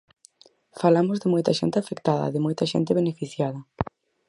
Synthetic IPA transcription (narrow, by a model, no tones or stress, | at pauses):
falamozðɪmojt̪aʃḛnt̪ɪafekt̪aðɐ̰ðemojt̪aʃḛnt̪eβ̞enefiθjaðɐ